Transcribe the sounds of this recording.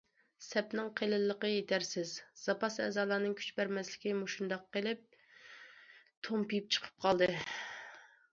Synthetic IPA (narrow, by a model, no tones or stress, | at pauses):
sɛpnɨŋqʰelɨlːəqəjet̪ʰæɾsɪzz̥ɑpɑsɛ̰ːzɑːlˠɑːnɨŋkʲʰy̥t͡ʃbæɾmɛslɪkʲimoʃund̪ɑqːelɪp̚ | t̪ʰompijip̚t͡ʃʰə̥qʰə̥p̚qʰɑlˠd̪ɨ